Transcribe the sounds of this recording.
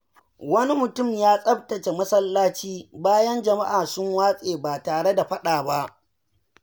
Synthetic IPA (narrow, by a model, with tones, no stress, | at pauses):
wɐ˦ni˦mʊ˨tʊ˦˨mjaː˦sʼɐ˦b̚tɐ˨t͡ʃe˨mɐ˦sɐ˦lːaː˦t͡ʃiː˦baː˦jɐ˦nd͡ʒɐ˨ma˦ʔaː˨sʊ˦ŋwaː˦sʼeː˨baː˨taː˨ɽe˦da˨ɸɐ˦ɗaː˨ba˦ʔ